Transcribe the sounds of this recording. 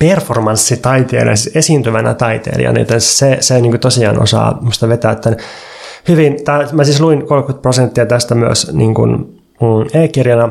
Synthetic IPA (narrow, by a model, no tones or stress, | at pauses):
performɑnsːit̪ɑit̪ḛːlḭɑ̰sisesiːnt̪yʋænæ̰t̪ɑit̪ḛːlḭɑ̰nḭːt̪enseseniːŋkut̪osiɑːnʔo̰sɑ̰ːmust̪ɑʋet̪æːt̪ːæn | hyʋint̪æːmæsiːsluinkolkyt̪̚prosent̪ːiɑt̪æst̪æmyø̰snḭːŋkṵn | eːkːirjɑnɑ